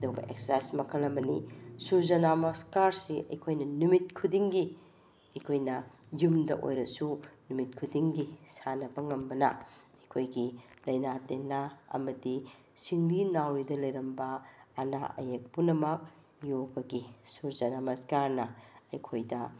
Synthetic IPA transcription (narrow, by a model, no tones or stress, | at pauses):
ɐduɡɐ̰ʔḛk̚sasmɐkʰɐlːɐmbɐnḭsuɾzɐnamɐskaɾsiʔɐ̰jkʰojnɐnumit̚kʰudiŋɡi | ɐjkʰojnɐ | jumdɐ̰ʔo̰jɾɐsunumit̚kʰudiŋɡisanɐbɐŋɐmbɐnɐ̰ | ɐjkʰojɡilɐjnatenaɐ̰mɐdi | siŋlinawidɐlɐjɾɐmbɐɐna̰ʔɐ̰jek̚punɐmɐk̚ | joɡɐɡisuɾzɐnamɐskaɾnɐɐ̰jkʰojdɐ